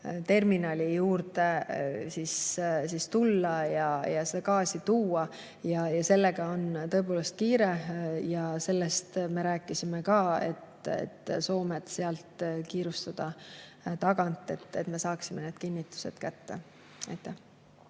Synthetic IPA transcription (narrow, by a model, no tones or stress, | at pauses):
t̪e̞rminɑlʲijuːrt̪e̞sissist̪ulːɑjɑjɑsed̪ɑkɑːsit̪uːɑ | jɑjɑse̞lːe̞ɡ̥ɑo̞nt̪ɤ̞e̞p̬o̞ːle̞st̪̚kiːɾe̞jɑse̞lːest̪me̞ɾæːkːˑisimekɑːe̞̰t̪ḛt̪ːso̞ːmed̪̥seɑlt̪kiːɾust̪ɑd̪̥ɑ | t̪ɑɡ̥ɑnt̪ːˑe̞t̪ːet̪me̞sɑːksimene̞ːd̪̥̚kinʲːit̪ːˑu̥se̞̰d̪̥kæt̪ːe | ɑ̰jt̪ːˑæh